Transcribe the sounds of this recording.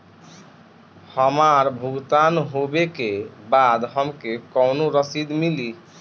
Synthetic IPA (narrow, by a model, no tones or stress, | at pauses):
həmaɾbʱuɡt̪anɦobekebad̪ɦʌmkekɔwnoɾəsid̪mili